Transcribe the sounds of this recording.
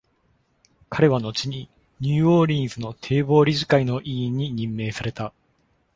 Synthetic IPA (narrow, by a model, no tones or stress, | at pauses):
kʰaɾe̞β̞ano̞t͡ɕiɲ̟i | ɲ̟ɨːoːɾʲĩɰzɨno̞t̪ʰe̞ːbo̞ːɾʲizɨkaino̞ʔĩːɲ̟ːiɲ̟ĩmːe̞ːsaɾe̞t̪a